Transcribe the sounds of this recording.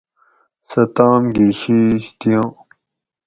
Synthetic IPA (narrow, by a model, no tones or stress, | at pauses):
sɐt̪ãːmɡiɕiɕt̪ijõː